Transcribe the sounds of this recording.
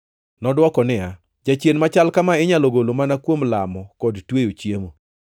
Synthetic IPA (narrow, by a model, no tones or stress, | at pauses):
nɔdwɔkɔnɪja | d͡ʒat͡ʃjenmat͡ʃalkamaɪɲaloɡolomanakwomlamɔkɔdtwejot͡ʃjemo